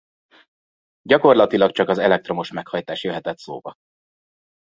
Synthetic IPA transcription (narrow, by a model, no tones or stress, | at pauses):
ɟɒko̞rlɒt̪ilɒkt͡ʃɒkɒzɛlɛk̚t̪ro̞moʃmɛkhɒjt̪aːʃjøɦɛt̪ɛt̪so̰ːbɒ̰